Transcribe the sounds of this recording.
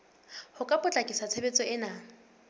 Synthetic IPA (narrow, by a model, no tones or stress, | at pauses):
hʊkʼapʼʊt͡ɬʼakʼisat͡sʰebet͡sʼɔɪnaː